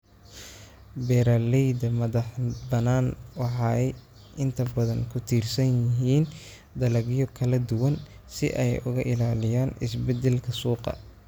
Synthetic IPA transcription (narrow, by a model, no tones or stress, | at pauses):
bɛːɾalɛjd̪ɐmɐðɑħbɐnaːnwɑħɑːɛj | ʔɪnt̪ʰɐbɐðɐŋkʰʊt̪ʰiːrsɐnjɪɦiːn | d̪ɐlɐɣjɔkʰɐlɐd̪ʊwɐn | sɪʔɛjʊɣɐʔɪlaːlɪjaːnɪsbɛd̪ɛlkʰɐsuːqɑ̰